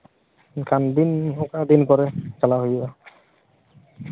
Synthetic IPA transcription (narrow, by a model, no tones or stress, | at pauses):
kand̪inɔkad̪inkɔɾɛkalaɦojba